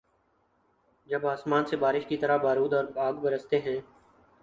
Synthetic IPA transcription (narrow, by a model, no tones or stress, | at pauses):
d͡ʒəbaːsmaːnseːbaːɾɪʃkit̪əɾabaːɾuːd̪ɔːɾbaːɡbəɾəst̪eːɦɛ̃ː